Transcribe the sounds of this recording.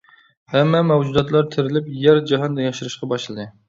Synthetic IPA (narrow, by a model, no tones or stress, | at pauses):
hɛmːɛmɛwd͡ʒud̪ɑt̪lˠɑɾt̪ʰɪɾɪlɪpjæɾd͡ʒɑɦɑnd̪ɑjɑʃuɾɨʃqɑbɑʃlˠɨd̪ɨ